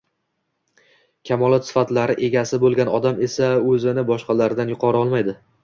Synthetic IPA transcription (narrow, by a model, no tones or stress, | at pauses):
kʲʰamɒlˠɒt̪sɪ̥fat̪laɾɪʔe̞ɡʲasɪbolˠɡʲanɒd̪ame̞saɵzɪnɪbɒʃqɑlaɾd̪anjʊqʰɒɾɒlˠmajd̪ɪ